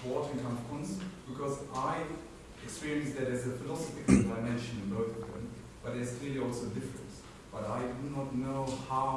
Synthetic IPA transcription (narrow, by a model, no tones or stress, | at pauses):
ɔɾɨ̃ŋkʰɑ̃nkə̃nsb̥ɨkʰʌzʔaɪ | ɨkspɪɹiɨ̃nsðɨt̪̚ðəzɨfɪlɑsəfɪkl̩ˠdaɪmɛ̃nʃɨ̃nɨ̃nboʊθʌvðɨ̰̃m | b̥ʌt̪̚ðɨz̥kʰl̥ɪəliɔlˠsoʊdɪfɹɨ̰̃ns | b̥ʌɾaɪdɨnətⁿnoʊhaʊ